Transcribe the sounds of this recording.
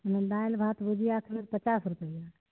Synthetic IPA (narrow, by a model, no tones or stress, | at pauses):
əned̪ajlbʱat̪bud͡ʒʱijaakʰmet̪pət͡ʃasɾupəija